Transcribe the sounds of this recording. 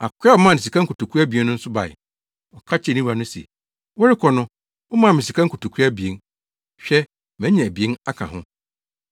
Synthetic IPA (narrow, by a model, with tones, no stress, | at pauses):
a˨kʰʷʊ˦ɛ˦ɔ˨mã˦˨nɪ̃˨s̬i˨kʰã˦ŋ̩˦kʰu˨tu˨kʰu˦a˦bi˨e˦nʊ̃˦n̩˦sʊ˦ba̰˨ɪ̰˨ | ɔ˨kʰa˦t͡ɕʰɛ˦˨nĩ˦a˨nʊ̃˦siɛ̰˨ | wɔ˦ɾɪ˦kʰɔ˨nʊ̃˦ | ɔ˦mã˦˨mɪ̃˨si˨kʰa˦ku˨tu˨kʰu˦a˦bi˨e˨n | ɕᶣɛ˦ | mɛ̃˦ɲɛ̃˨æ˨bi˨e˦na˦kʰã̰˨ɦʊ̰̃˦